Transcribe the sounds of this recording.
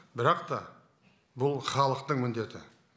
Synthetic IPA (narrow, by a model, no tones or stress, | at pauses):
bɪɾɑqt̪ɑ | bʊlˠχɑlˠəqt̪əɴmʏnd̪e̞t̪ɪ